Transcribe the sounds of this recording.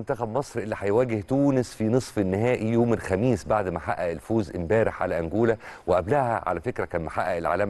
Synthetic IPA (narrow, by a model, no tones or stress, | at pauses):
nt̪æxæbmɑsˤɾʔelːiħajwæːɡeht̪uːnɪsfinɨsˤfenːɪɦæːʔijoːmelxæmiːsbaʕd̪maħa̰ʔːæʔelfoːzʔɪmbæːɾɪħʕa̰læʔæŋɡuːlæweʔæblæhæ̰ʕa̰læfekɾækæːnmaħaʔːæelʕa̰ːlæːm